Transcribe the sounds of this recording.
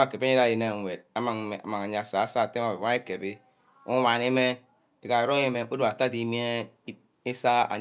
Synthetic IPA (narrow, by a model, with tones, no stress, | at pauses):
a˨ke˨be˦da˦˨je˨na˦˨wʷe˨d̚a˦ma˨ŋ˨a̰˨ma˨ŋa˨ɲa˨a˨sa˨a˦˨sa˦˨te˦ma˨ba˦e˦ke˨bi˦ | u˦wʷa˨ne˦me˦ | e˨ka˨e˨ɾo˦e˦me˨˦ko˦du˦˨a˨ta˦di˨˦mi˦e˦ | i˦sa˦a̰˨